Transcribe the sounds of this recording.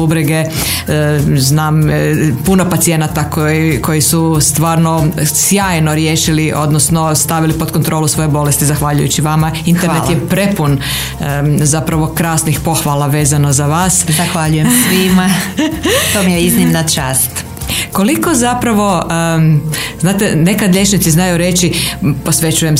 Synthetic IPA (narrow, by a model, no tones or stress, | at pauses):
ubɾeɡe | znaːmpuno̞pat̪sije̞nat̪akkʰo̞jisust̪ʋaːɾno̞sjaːjno̞ɾjeːʃiliʔo̞̰d̪nosno̞st̪aʋilipo̞d̪̚kont̪ɾolusʋo̞jebo̞le̞st̪izaxʋaʎujṵt͡ɕiʋamainɾnelt̪jepɾe̞pun | zapɾaʋo̞kɾaːsnixpo̞xʋaːlˠaʋe̞ːzano̞zaʋaːszzaxʋaʎujesʋima | t̪oːmijeiznimnat͡ʃaːst̪ | ko̞liko̞zapɾaʋo̞ | znaːt̪ene̞kad̪ʎʲe̞t͡ʃnit̪siznajuɾe̞t͡ʃipo̞sʋe̞t͡ɕuje̞m